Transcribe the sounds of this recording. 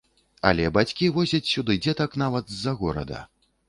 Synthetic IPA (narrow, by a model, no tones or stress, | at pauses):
ɐ̰lʲɛbat͡sʲkʲivɔzʲɐt͡sʲsʲud̪ɨd͡zʲɛt̪ɐkn̪avɐt̪zɐɣɔɾɐ̰d̪ɐ̰